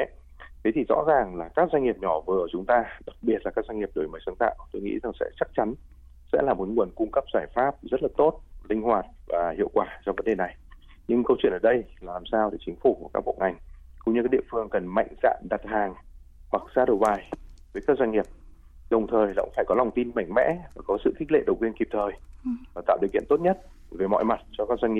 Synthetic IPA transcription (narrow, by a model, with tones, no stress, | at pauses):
t̪ʰe˨˦t̪ʰi˨˩zɔ̰˧˥zaː˨˩ŋlaː˨˩kaː˦˥k̚za˧ŋŋi˨˩əp̚ɲɔ˧˩vɨ˨˩ə˩t͡ɕʊ˨˦ŋ͡mt̪aː˧ɗa˨˩k̚ɓi˨˩ət̚la˨˩kaː˦˥kza˧ŋŋi˨˩əɗo˨˩jməː˨˦sə˨˦ŋt̪a̰ː˧˨wt̪o˧jŋḭ˧˥za˨˩ŋsɛ̰˧˥t͡ɕa˦˥k̚t͡ɕa˨˦n | sɛ̰˧˥laː˨˩mo˨˩˦ŋu˨˩ənkʊ˧ŋ͡mkə˦˥p̚z̥aː˧˩jfaː˦˥p̚zə˦˥t̚laː˨˩t̪o˦˥t̚lï˧ŋ̟ɦwaː˨˩t̚vaː˨˩hḭ˧˨əwkwaː˧˩t͡ɕɔ˧wvə˨˦nɗe˨˩na˨˩j | ɲɨ˧ŋkə˧wt͡ɕwi˧˨ənʔəː˨˩ɗə˧jlaː˨˩laː˨˩msaː˧wɗe˧˩t͡ɕï˨˦ŋ̟fu˧˩ku˧˩kaː˦˥k̚ɓo̰˧˨ʔa˨˩jŋ̟kʊ̰˧˥ŋ͡mɲɨ˧ka˦˥ɗi˧˨əfɨ˧əŋkə˨˩nma̰˧˨jŋ̟za̰ː˧˨nɗa˨˩t̚haː˨˩ŋ | hwa˨˩k̚zaː˧ɗə˨˩wɓaː˨˩jvəː˨˦kaː˦˥k̚za˧ŋi˨˩əp̚ | ɗə˨˩wŋ͡mt̪ʰəː˨˩jlaː˨˩kʊ̰˧˥ŋ͡mfaː˧˩jkɔ˨˦la˨˩wŋ͡mt̪i˧nma˧˩jŋ̟mɛ̰˧˥vaː˨˩kɔ˨˦sɨ̰˧˨t̪ʰi˦˥k̚lḛ˧˨ɗə˨˩wkwi˧ənki˨˩p̚t̪ʰəː˨˩jvaː˨˩t̪a̰ː˧˨wɗi˨əkḭ˧˨ənt̪o˦˥t̚ɲə˦˥t̚veː˨˦mɔ̰˧˨jma˨˩t̚t͡ɕɔ˧kaː˦˥k̚za˧ŋŋi˨˩